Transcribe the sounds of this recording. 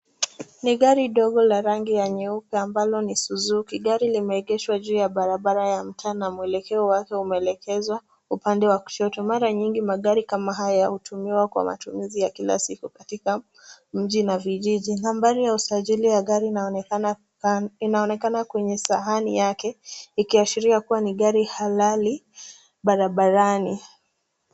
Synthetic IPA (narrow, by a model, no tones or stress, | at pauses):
niɠaɾiɗɔɠɔlaɾaŋɡijaɲɛupɛambalɔnisuzukiɠaɾilimɛɛɠɛʃwaʄuːjaɓaɾaɓaɾajam̩tʰaːnamuɛlɛkɛɔwakɛumɛɛlɛkʰɛzwa | upandɛwaku̥ʃɔtɔmaɾaɲiŋɡimaɠaɾikamaɦajahutumiwakwa̰ma̰tumizijakila̰sikukatika | m̩ʄinaviʄiʄinambaɾijausaʄilijaɠaɾi | inaɔnɛkanakwɛɲɛsaɦanijakɛikiaʃiɾiakuwaniɠaɾihalali | ɓaɾaɓaɾani